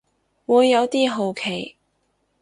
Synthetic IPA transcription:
wuː˨˧jːɐ˨˧wt̪iː˥ɦo˨wkʰe˨˩j

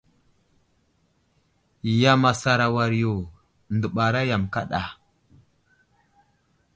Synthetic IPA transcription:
ja˨ma˨sa˨ɾa˨wa˨ɾjo˨ | ndə˨ɓa˨ɾa˦ja˨mka̰˦ɗa˨

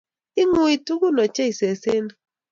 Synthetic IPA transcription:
ɪ˦ŋu˦i˨tu˦ku˦nɔ˨t͡ʃɛ˦i˨se˨se˦n˦

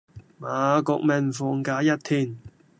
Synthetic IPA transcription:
maː˨˦kʊ˧k̚mɐ˨nfuː˨˧ŋkaː˨˧jɐ˦˥t̪̚ʰiː˧˩n

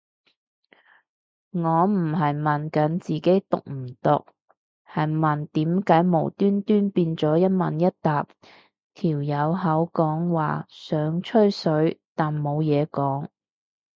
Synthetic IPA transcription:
ŋɔː˨˧m̩˨˩ɦɐ˨jmɐ˨nkɐ˨˥nt͡siː˨˩ke˨˥jt̪ʊ̰˨k̚m̩˨˩t̪ʊ̰˨k̚ | hɐ˨jmɐ˨˩nt̪iː˨˥mkaː˨˥jmo˨˩wt̪yː˥nt̪yː˥npiː˧nt͡sɔː˨˥jɐ˥t̚mɐ̰˨njɐ˥t̚t̪aː˨p̚ | t̪ʰiː˨˩wjɐ˨˧wɦɐ˨˥wkɔː˨˥ŋwa̰ː˨˩sœː˨˧ŋt͡ʃʰɵ˥ɥsɵ˨˥ɥt̪aː˨nmo˨˧wjɛː˨˧kɔː˨˥ŋ

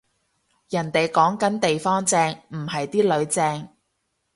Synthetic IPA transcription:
jɐ˨˩nt̪e˨jkɔː˨˥ŋkɐ˨˥nt̪e˨jfɔː˥ŋt͡sɛː˧ŋm̩˨˩hɐ˨jt̪iː˥lɵ˨˧ɥt͡sɛː˧ŋ

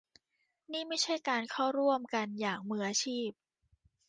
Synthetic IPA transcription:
niː˥˩ma˥˩jt͡ɕʰa˥˩jkaː˧nkʰa˥˩wɾu˥˩əmka˧njaː˨˩ŋ̚mɯː˧ʔa˧t͡ɕʰiː˥˩p̚

